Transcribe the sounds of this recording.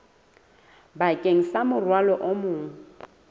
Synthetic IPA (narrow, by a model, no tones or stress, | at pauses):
bakʼeŋ̩samʊrwalɔʔomʊːŋ̩